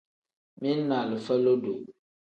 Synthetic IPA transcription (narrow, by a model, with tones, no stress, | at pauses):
mi˦n˦na˨lə˨fə˦lo˦du˨